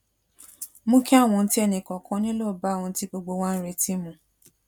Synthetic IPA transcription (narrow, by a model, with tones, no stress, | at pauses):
mũ˦kʰɛ˦a˦˨w̃ɔ̃˧n̩˦ti˦ɛ˧nĩ˨kɔ̃˨kʰã˨˧˦nĩ˦lo˦˨ba˨˦˨w̃ɔ̃˧˦ti˦ɡ͡bo˧ɡ͡bo˧wa˦n̩˦ɾe˧ti˦mũ˨